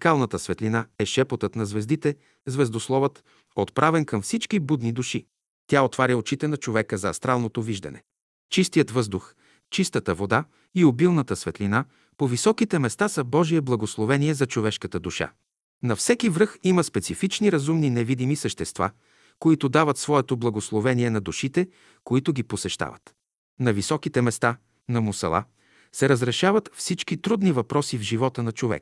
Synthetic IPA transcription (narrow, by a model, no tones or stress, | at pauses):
kalˠnət̪əsvɛt̪linaɛʃɛpot̪ət̪nɐzvɛzd̪it̪ɛ | zvɛzd̪oslˠɔvət̪ | ot̪pɾʔavɛnkɐmfsit͡ʃkibud̪nid̪uʃi | t̪ʲjaot̪vaɾʲəot͡ʃit̪ɛnɐt͡ʃovɛkəzɐɐ̰st̪ɾalˠnot̪oviʒd̪ɐ̰nɛ̰ | t͡ʃist̪ijət̪vɤzd̪ʊx | t͡ʃist̪ət̪əvod̪a | iobilˠnət̪əsvɛt̪lina | povisɔkit̪ɛmɛst̪asɐbɔʒiɛblˠɐɡoslˠovɛniɛzɐt͡ʃovɛʃkət̪əd̪uʃa̰ | nɐfsɛkivɾɤximəspɛt̪sifit͡ʃniɾɐzumninɛvid̪imisəʃt̪ɛst̪va̰ | koit̪ʊd̪avət̪svɔɛt̪oblˠɐɡoslˠovɛniɛnɐd̪uʃit̪ɛ | koit̪ʊɡiposɛʃt̪a̰və̰t̪ | nɐvisɔkit̪ɛmɛst̪a | nɐmʊsɐ̰lˠa̰ | sɛɾəzɾɛʃavət̪fsit͡ʃkit̪ɾud̪nivɐpɾɔsivʒivɔt̪ənɐt͡ʃovɛ̰k